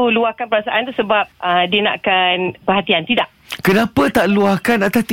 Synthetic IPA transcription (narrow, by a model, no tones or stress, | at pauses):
uluahkanpəɾasaʔant̪usəbap̚ədiəna̰ʔkanpərhat̪iant̪idaʔ̚ | kənapət̪aʔluahkanat̪ast̪